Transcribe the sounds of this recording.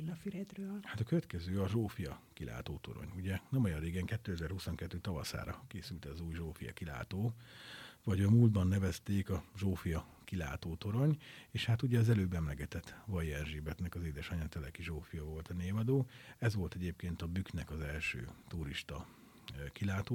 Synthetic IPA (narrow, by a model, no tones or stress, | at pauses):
fiɾɛd̪røːlhat̪ɒkøvɛt̪kɛzøːɒʒoːfijɒkilʔa̰ːt̪oːt̪o̞̰ɾo̰ɲuɟɛnɛmɒjɒrreːɡɛŋkɛt̪ːøːɛzɛrhuso̞ŋkɛt̪ːøːt̪ɒvɒ̰sa̰ːɾɒkeːsylt̪ɛːzuːjʒoːfijɒ̰kila̰ːt̪oː | vɒɟɒmuːld̪bɒnːɛvɛst̪eːkɒʒoːfijɒ | kila̰ːt̪oːt̪o̞ɾo̞ɲeːʃhat̪uɟɛɒzɛløːbɛmlɛɡɛt̪ɛt̪ːvɒjɛnʒibɛt̪nɛkɒzeːd̪ɛʃɒɲɒt̪ɛlɛkiʒoːfijɒvo̞lt̪ɒneːvɒd̪oːɛzʋo̞lt̪ɛɟeːp̚keːnt̪ɒbyknɛkɒzɛlʃø̰ːt̪uɾiʃt̪ɒ | kilaːt̪oː